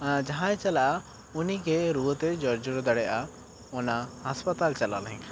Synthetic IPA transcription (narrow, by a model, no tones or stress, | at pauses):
d͡ʒaɦãɛ̃t͡ʃalaʔa | unikɛɾuwət̪ɛd͡ʒɔɾd͡ʒɔɽɔd̪aɽɛjʔa | ɔnahaspat̪alt͡ʃala̰lɦɛ̃ŋ